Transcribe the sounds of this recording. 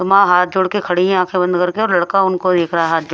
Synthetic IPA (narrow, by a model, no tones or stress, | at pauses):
ʊmãːɦaːt̪̚d͡ʒʊɽkekʰɐɽiɦɛ̃ãːkʰebɐ̃nd̪kɐɾkeɔːɾlɐɽkaʊnkod̪eːkʰɾɐaɦaːt̪̚d͡ʒʊ